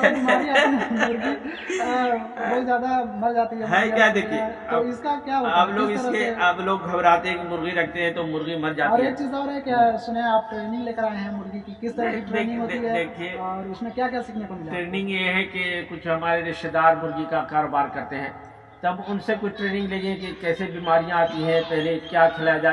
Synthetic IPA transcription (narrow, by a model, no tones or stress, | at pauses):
ɐmːɾianimʊɾɣi | bɐɦizjaːd̪amɐɾd͡ʒaːt̪iɦɛmɦɛ̃ijad̪eːkʰiet̪oːɪskakjaːɦɐbloːɡɪt̪ɐɾəeɐbloːɡɡʱɐbɾaːt̪eɦɛ̃kimʊɾɣiɾɐk̚ʰt̪eɦɛ̃t̪omʊɾɣimɐɾd͡ʒaːɔːɾeːk̚t͡ʃiːzɔːɾɦɛkesʊneaːp̚ʈɾeːnɪ̃ŋɡleːkəɾaːẽɦɛ̃mʊɾɣikikɪst̪ɐɾəkiʈɾenɪ̃ŋɡɦoːt̪iɦɛeːkʰieɔːɾʊsmẽkjaːk̬jaːsikʰnekomiaʈɾeːnɪ̃ŋɡjeɦɛ̃kekʊt͡ʃʰɦɐmaːɾeɾɪʃʈ̪ed̪aːɾmʊɾɣikakaːɾoːbaːɾkɐɾt̪eɦɛ̃ː | t̪ɐbʊnsekʊt͡ʃʰʈɾeːnɪ̃ŋɡleːɡẽkekɛːsebiːmaːɾijãaːt̪ĩɦɛ̃pɛɦlekjaːkʰɪlaːjad͡ʒaː